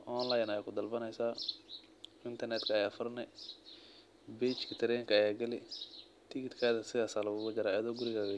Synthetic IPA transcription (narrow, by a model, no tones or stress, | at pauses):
ʔɔnlajnɐjaːkʰʊd̪ɐlbɐnɛjsaː | ɪnt̪ʰɐrnɛt̪kʰɐːjaːfɐrnɛ | bɛːt͡ʃkʰɐt̪ʰɛɾɛjŋkʰɐːjaːɡɐlɪ | t̪ʰɪkɪt̪kʰaːðɐsɪɣaːsaːlɐɡʊɣʊd͡ʒɐɾaːjɐðɔːɡʊɾɪɣaːɣɐ